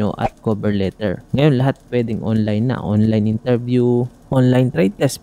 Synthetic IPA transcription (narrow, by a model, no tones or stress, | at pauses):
o̰ʔɐ̰t̪̚koːbɛɹlɛt̪ɛ̰ɹŋɐjo̞nlɐɦat̪̚pwɛːd̪ɪŋʔo̰nlajnːɐ̰ʔo̰nlajnʔɪnt̪ɛɹbju | ʔonlajnt̪ɾajt̪ɛs